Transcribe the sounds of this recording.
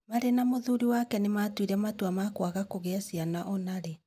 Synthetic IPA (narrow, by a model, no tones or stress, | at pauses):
maɾenamoðuɾiwakɛnematwiɾɛmatwamakwaɣakoɣɛːsianaʔɔnaɾe